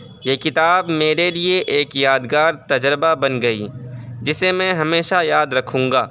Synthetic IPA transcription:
jeːkɪt̪aːbmeːɾelieʔeːkjaːd̪ɡaːɾt̪ɐd͡ʒɾbabɐnɡɐḭːd͡ʒɪsemɛ̃ɦɐmeːʃajaːd̪ɾɐkʰũːŋɡaː

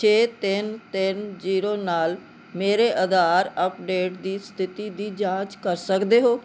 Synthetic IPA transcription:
t͡ʃʰeːt̪ɪnt̪ɪnziːɾoːnaːl | meːɾeːʔəd̪aːɾəpɖeːʈd̪iːst̪ʰɪt̪iːd̪iːd͡ʒãːd͡ʒkəɾsəkd̪eːɦoː

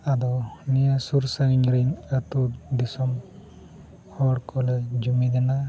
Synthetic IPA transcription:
ad̪ɔnijasuɾsaɡiɲɾinat̪ud̪isɔm | hɔɽkʰɔled͡ʒumid̪ɛna

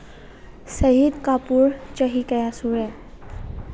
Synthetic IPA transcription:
səɦid̪kapuːɾt͡ɕəɦikəjasuɾɛ̃

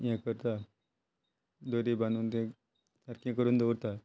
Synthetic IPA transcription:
jɛ̃kəɾt̪a | d̪oɾibãnd̪uːnt̪ɛ̃ | saɾkẽkəɾuːnd̪eɾt̪a

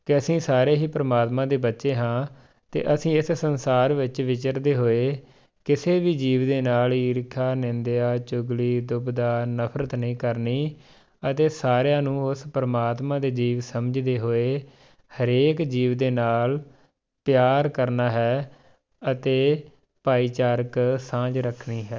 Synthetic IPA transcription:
kɪəsĩːsaːɾeːɦiːpɾəmaːt̪mãːd̪eːbətːʃeːɦãː | t̪ḛːʔəsĩːɪssənsaːɾʋɪt͡ʃʋɪt͡ʃəɾd̪eːɦoːeː | kɪseːʋiːd͡ʒiːʋd̪eːnaːliːɾkʰaːnɪ̃nd̪eaːt͡ʃʊɡliːd̪ʊbd̪aːnəpʰɾət̪nəĩːkəɾniː | ət̪eːsaːɾjãːnũːʊspəɾəmaːt̪mãːd̪eːd͡ʒiːʋsəməd͡ʒd̪eːɦoːeː | həɾeːkd͡ʒiːʋd̪eːnaːl | pjaːɾkəɾnaːɦɛː | ət̪eː | paːiːt͡ʃaːɾəksãːd͡ʒɾəkʰniːɦɛː

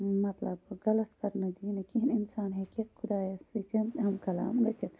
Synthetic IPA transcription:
mɐt̪lɐbɡɐlɐt̪kɐɾnɐd̪iːnɐkininsaːnɦekekkʰud̪aːjɐsit͡ʃʰɐnɦɐmkɐla̰ːmɡɐt͡ʃʰit̪

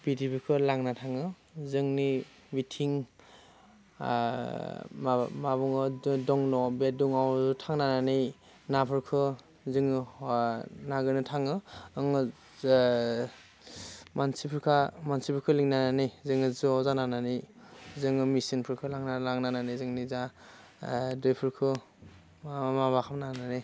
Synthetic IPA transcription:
bitipʰikʰɯlaŋnatʰaŋɯ | zɯŋni | mitʰiŋ | maβɔŋɯdɔŋnɔbeduŋawzutʰaŋnananɯj | napʰɯɾkʰɯ | zɯŋɯ | naɡɯnɯtʰaŋɯɯŋɯ | mansipʰɯɾkʰamansipʰɯɾkʰɯliŋnananijzɯŋɯzɯawzanananizɯŋɯmisinpʰɯɾkʰɯlaŋnalaŋnananizɯŋniza | dɯjpʰɯɾkʰɯ | mabakʰamnanani

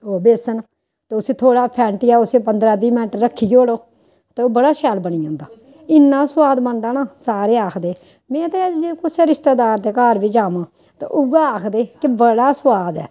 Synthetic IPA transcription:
oːbeːsən | t̪eːʊseːt̪ʰoːɽaːpʰɛ̃ːɳʈiːaːʊsẽːpənd̪ɾaːbiːmɛ̃ːʈəɾːəkʰːiːd͡ʒoːloː | t̪eoːbəɽaːʃɛːlbəɳiːãːnd̪aː | ɪnːãːsʊwaːd̪bənd̪aːnaːsaːɾeːaːkʰd̪eː | mɛ̃ːt̪eːd͡ʒkʊseːɾɪʃt̪eːd̪aːɾd̪eːkaːɾʋiːd͡ʒaːmãː | t̪ḛʔʊɡaːaːkʰd̪eːkɪbəɽaːswaːd̪ɛ̰ː

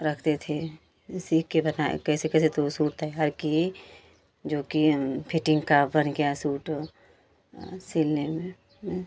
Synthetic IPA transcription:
ɾəkʰt̪et̪ʰe | siːkːebənaḛkɛːsekɛːset̪osuːʈt̪aɦɛɦɐɾkie | d͡ʒoːkipʰɪʈɪ̃ŋɡkabənɡɐjasuːʈ | sɪlːemẽ

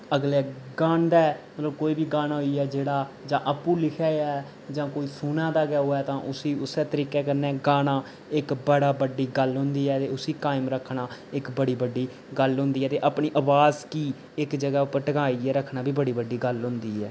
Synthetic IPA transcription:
əɡleːɡaːnd̪ɛːmət̪ləb̚koːiːbiːɡaːnaːɦoiːɛːd͡ʒeːɽaːd͡ʒãːʔəpũːlɪkʰɛːɛː | d͡ʒãːkoːiːsuːnãːd̪aːɡɛːoːɛːt̪ãːʔʊsiːʊsɛːt̪əɾiːkɛːkəɾnɛ̃ːɡaːnaː | ɪkbəɽaːbəɖiːɡəlɦʊ̃nd̪iːɛːt̪eːʊsiːkaːɪmɾəkʰnaːɪkbəɽiːbəɖːiː | ɡəlɦʊ̃nd̪iːɦɛːt̪eːʔapɳiːʔəbaːzkiː | ɪkd͡ʒəɡaːʊpəʈəkaːiːɛːɾəkʰːnaːbʱiːbəɽiːbəɖiːɡəlɦʊ̃nd̪iːɛː

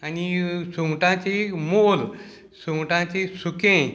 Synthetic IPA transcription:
anisuŋʈãt͡ɕemol | suŋʈãt͡ɕesukẽ

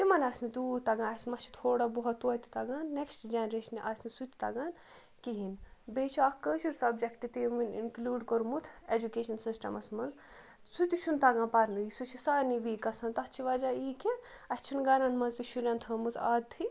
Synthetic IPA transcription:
t̪imɐnɐsnid̪uːt̪ɐɡãɐsmɐt͡ʃʰi̥t̪ʰoːɽabuɦɐt̪ːuɐt̪i̥t̪ɐɡaːnːeksʈd͡ʒɐnɾeːʃɐnʔɐsnisut̪i̥t̪ɐɡaːn | kiɦinbeːt͡ʃʰakəːʃuɾsɐbd͡ʒekʈit̪imɐnḭnklʲuːɖkoɾmut̪ʰed͡ʒukeːʃɐnsisʈɐ̰mɐsmɐnz | sut̪it͡ʃʰunt̪ɐɡãːnpɐɾnɨisut͡ʃʰisaːniʋiːkɐsɐnt̪ɐt͡ʃʰiʋɐd͡ʒaːiːke | ɐst͡ʃʰinɡɐɾɐnmɐnzt̪iʃuɾʲɐ̃nt̪ʰɐːmɨza̰ːd̪t̪ʰɨ

